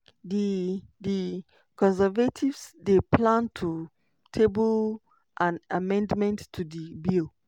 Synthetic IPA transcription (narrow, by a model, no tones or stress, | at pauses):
didi | kɔ̃nsɛvatʰivsdepʰlãntʰu | tʰebəl | ʔãnamɛ̃ndmɛ̃ntʰːudibil